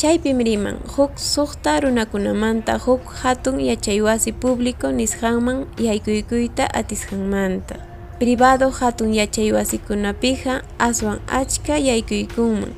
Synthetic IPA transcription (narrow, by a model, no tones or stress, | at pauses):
t͡ʃajpɪmɾɪma̰ŋhʊksoχt̪aɾʊnakʊnamant̪ahʊkhat̪ʊŋjat͡ʃajwasɪpʊblɪkonɪsqɑŋmaŋjajkʊjkʊjt̪aʔat̪ɪsqɑŋmant̪a | pɾɪbaðohat̪ʊŋjat͡ʃajwasɪkʊnapɪɢɑ | aswaŋat͡ʃkajajkʊjkʊŋma̰ŋ